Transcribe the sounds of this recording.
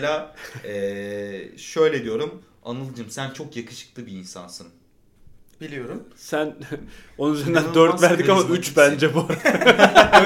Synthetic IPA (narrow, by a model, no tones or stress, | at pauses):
lʲaːɛː | ʃøjlʲed̪ijo̞ɾum | a̰nɯlˠɯd͡ʒɯmsænt͡ʃʰo̞kjakʰɯ̥ʃɯ̥k̚lˠɯbiːnsa̰nsɯn | b̥ilʲijo̞ɾumsæno̞nunyzeɾind̪ænd̪øɾt̪væɾd̪ikamaʔyt͡ʃbænd͡ʒɛbuaɾa